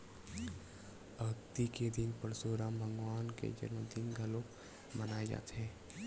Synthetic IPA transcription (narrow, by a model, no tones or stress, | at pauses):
ɐkt̪iked̪ɪnpəɾsoːɾãmbʱə̃ŋɡwaːnkḛd͡ʒə̰ɾməd̪inɡʱɐlok | mənaːed͡ʒa̰ːt̪eɦɛ̃ː